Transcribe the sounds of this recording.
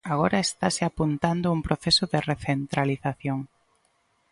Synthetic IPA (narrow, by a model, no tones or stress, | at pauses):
aɣ̞oɾaest̪aseapunt̪and̪ʊumpɾoθesʊðɪreθent̪ɾaliθaθjoŋ